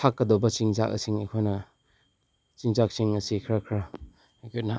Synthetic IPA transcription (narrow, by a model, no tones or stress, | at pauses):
akːɐdɔbɐt͡ʃiŋzakɐ̰siŋekʰojnɐ | t͡ʃiŋzak̚siŋɐsikʰɾakʰɾa | kʰonɐ